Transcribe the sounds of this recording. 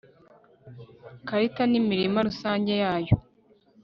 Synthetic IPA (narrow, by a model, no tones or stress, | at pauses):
kaɾitanimiɾimaɾusaːɲɟe̞jaːjo